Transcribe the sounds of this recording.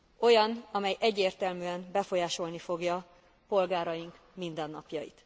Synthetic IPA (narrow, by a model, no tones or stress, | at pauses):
o̞jɒnɒmɛjʔɛɟːeːrt̪ɛlmyːɛmbɛfo̞jaːʃo̞lnifo̞ɡjɒ | po̞lɡaːɾɒjiŋk | mind̪ɛnːɒpjɒjḭt̪